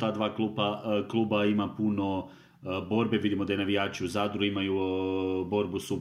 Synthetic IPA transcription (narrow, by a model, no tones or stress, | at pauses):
t̪aːd̪ʋaːklupaklˠuːbaimapuno̞ | bo̞ːɾbe̞ʋid̪imo̞d̪ajenaʋijaːt͡ʃiuzad̪ɾuimaju | bo̞ɾbusu